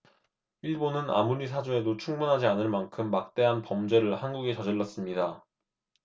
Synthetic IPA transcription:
iɭbonɯna̰muɾis̬ʰad͡ʑoe̞dot͡ɕʰuŋmunɦad͡ʑianɯɭmankʰɯmːak̚t͈e̞ɦanpʌmd͡ʑe̞ɾɯɭhanɡuɡet͡ɕʌd͡ʑʌɭːʌs͈ɯmɲida

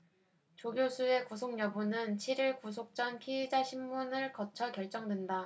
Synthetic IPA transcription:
t͡ɕoɡjosʰue̞kusʰoŋɲʌbunɯnt͡ɕʰiɾiɭkus̬ʰok̚t͡ɕ͈ʌnpʰied͡ʑaɕʰimːunɯɭkʌt͡ɕʰʌkjʌɭt͡ɕ͈ʌŋdwe̞nda

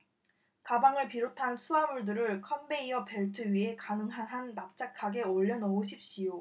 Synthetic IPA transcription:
kabaŋɯɭpiɾotʰansʰuamuɭdɯɾɯɭkʰʌmbe̞iʌpe̞ɭtʰɯɥie̞kanɯŋɦanɦanːap̚t͡ɕ͈akʰaɡe̞oʎːʌnʌoɕ̬ʰip̚ɕ͈ijo

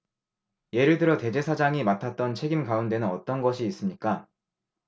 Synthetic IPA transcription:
je̞ɾɯɭdɯɾʌte̞d͡ʑe̞sʰad͡ʑaŋimatʰat̚t͈ʌnt͡ɕʰe̞ɡimkaunde̞nɯnʌt͈ʌnɡʌɕʰiːs͈ɯmɲik͈a

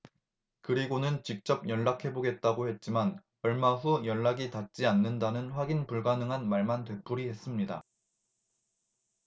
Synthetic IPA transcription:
kɯɾiɡonɯnt͡ɕik̚t͡ɕ͈ʌb̚jʌɭːakʰe̞boɡe̞t̚t͈aɡohe̞t̚t͡ɕ͈iman | ʌɭmaɸujʌɭːaɡitat̚t͡ɕ͈ianːɯndanɯnɸwaɡinpuɭɡanɯŋɦanmaɭmantwe̞p͈uɾihe̞s͈ɯmɲida̰

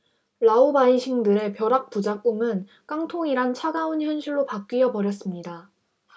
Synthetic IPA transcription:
ɭaubaiɕʰiŋdɯɾe̞pjʌɾak̚p͈ud͡ʑak͈oŋɯn | k͈aŋtʰoŋiɾant͡ɕʰaɡaunçjʌnɕʰiɭːopak͈ijʌbʌɾjʌs͈ɯmɲida

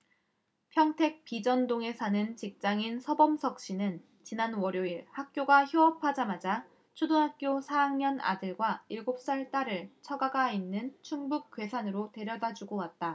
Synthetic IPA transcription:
pʰjʌŋtʰe̞k̚p͈id͡ʑʌndoŋe̞sʰanɯnt͡ɕik̚t͡ɕ͈aŋinsʰʌbʌmsʰʌk̚ɕ͈inɯn | t͡ɕinanwʌɾjoiɭhak̚k͈joɡaçjoʌpʰad͡ʑamad͡ʑa | t͡ɕʰudonɦak̚k͈josʰajaŋɲʌna̰dɯɭɡwaiɭɡop̚s͈aɭt͈aɾɯɭt͡ɕʰʌɡaɡainːɯnt͡ɕʰuŋbuk̚k͈we̞sʰanɯɾote̞ɾjʌdad͡ʑuɡowat̚t͈a

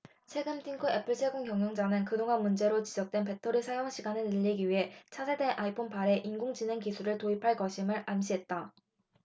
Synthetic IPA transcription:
t͡ɕʰwe̞ɡɯmtʰiŋkʰɯe̞pʰɯɭt͡ɕʰe̞ɡoŋkjʌŋjʌŋd͡ʑanɯnkɯdoŋanmund͡ʑe̞ɾot͡ɕid͡ʑʌk̚t͈we̞npe̞tʰoɾisʰajoŋɕʰiɡanɯnɯʎːiɡiɥiɦe̞t͡ɕʰasʰede̞nʔaipʰonpaɾe̞ʔinɡoŋd͡ʑine̞ŋkisʰuɾɯɭtoipʰaɭkʌɕʰimɯɭamɕʰiɦe̞t̚t͈a

